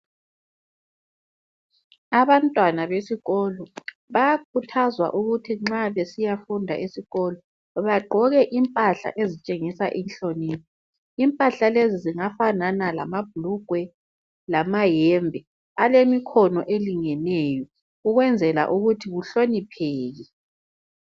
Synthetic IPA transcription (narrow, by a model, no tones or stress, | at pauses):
aβantʼwanaβesiɣɔlɔ | βajakʰutʰazwa̰ʔuɣutʰiŋ͡ǁaβesijafundʱa̰ʔisiɣɔlɔ | βaɡ͡ǃʱɔɣɛʔimpʼaɬa̰ʔezit͡ʃʼeŋisa̰ʔinɬoniːtʰɔ | impʼaɬaleziziŋafananala̰mab̥ʱuluɡ̥ʱwɛ | lamajɛmbʱɛ | alemikʰɔnɔ̰ʔeliŋɛnɛjɔ | uɣwɛnd͡zʱɛla̰ʔuɣutʰiɣuɬonipʰɛːɣi